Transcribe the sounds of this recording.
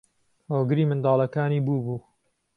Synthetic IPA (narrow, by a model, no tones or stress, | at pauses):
hoːɡɨɾiːmɨnd̪ɑːlˠɐkaːniːbuːbuː